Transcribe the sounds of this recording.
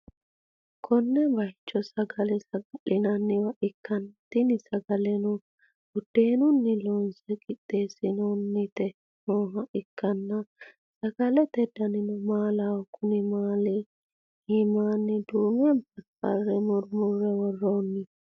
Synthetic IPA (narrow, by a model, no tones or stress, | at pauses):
kʰɔnːɛbɐjt͡ʃːɔsɐɡɐlɛsɐɡɐʔɪnɐnːɪwɐʔɪkːɐnt̪ɪnɪsɐɡɐlɛnʊ | ɡʊd̪̥ːeːnʊnːɪlɔnsɛkʼɪt̪ːeːsɪnɔnːɪt̪ɛ | noːɦɐʔɪkːɐnːɐ | sɐɡɐlɛt̪ɛd̪ɐnɪnʊmaːlawkʊnɪmaːlɪ | hɪmaːnːɪd̪uːmɪɐntɐkːɐ̰rːɛmʊɾmʊrːɛwɔrːoːnːɪ